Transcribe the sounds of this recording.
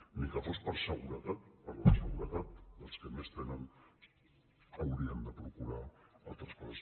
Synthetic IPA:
nikafost̪̚pəɾsəɣ̞uɾət̪at̪pəɾðasəɣuɾət̪at̪̚d̪alskemest̪enan | awɾiand̪apɾukuɾaalt̪ɾaskoas

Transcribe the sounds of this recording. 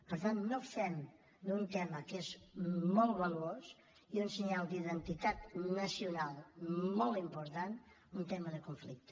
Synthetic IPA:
pəɾt̪ãnt̪nõsɛn | d̪unt̪ɛmɐkɛzmolˠβɐluos | iunsəɲalˠd̪iðẽnt̪it̪at̪nɐsiunalˠmolˠt̪impoɾt̪ãnt̪ | unt̪ɛmɐðəkõɱflit̪u̥

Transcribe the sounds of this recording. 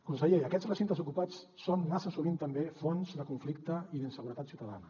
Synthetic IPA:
kunsəʎeəkɛzrəsint̪əzukupat͡s | sonːasəsuβint̪əmbefonzðəkuɱflik̚t̪əiðənsəɣuɾət̪at̪siwt̪əða̰nə

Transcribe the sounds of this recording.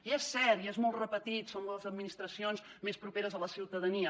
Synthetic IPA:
iɛsːɛɾt̪iɛzmɔlˠt̪rəpət̪it̪sonləzəd̪minist̪ɾəsionzmespɾupeɾəzələsiwt̪əðəniə

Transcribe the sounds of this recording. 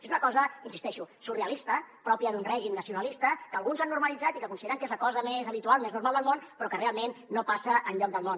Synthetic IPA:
ezunəkɔzəinist̪ɛʃusureəlist̪əpɾɔpiəðunrɛʒimnəsiunəlist̪əkəlˠɣunzanːurməlid͡zat̪ikəkunsiðeɾəŋkezləkɔzəmezəβit̪ualˠmeznurmalˠd̪əlˠmonpɾɔkərealˠmenːopasəʔənʎɔk̚d̪əlˠmon

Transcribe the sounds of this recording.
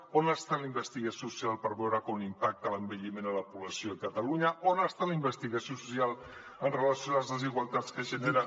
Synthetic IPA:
onəst̪aləimbəst̪iɣəsiosialˠpəɾβɛwɾəkounimpak̚t̪ələmbəʎimenələpuβləsioəkət̪əluɲəonəst̪aləimbəst̪iɣəsiosusialˠ | ənrələsjoaləzðəziɣwalˠt̪at͡skəʒəneɾə

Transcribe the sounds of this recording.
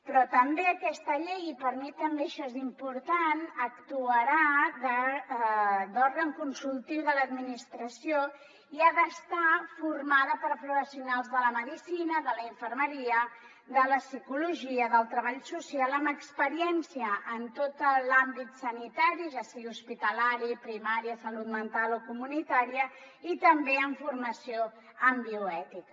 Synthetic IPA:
pɾɔt̪əmbeəkɛst̪əʎɛjipəɾmit̪əmbeʃəzðimpuɾt̪anəkt̪uəɾaðə | d̪ɔɾɣəŋkunsulˠt̪iwðələd̪minist̪ɾəsio | iaðəst̪afuɾmaðəpəɾpɾufəsiunalˠzðələməðisinəðələiɱfəɾməɾiə | ðələsikuluʒiəðəlˠt̪ɾəβ̞aʎsusialˠəməkspəɾiɛnsiəʔːnt̪ot̪əlambit̪sənit̪aɾiʒəsiuspit̪əlaɾipɾimaɾiəsəlut̪mənt̪alokumunit̪aɾiə | it̪əmbeəɱfurməsio | əmbiuɛt̪ikə

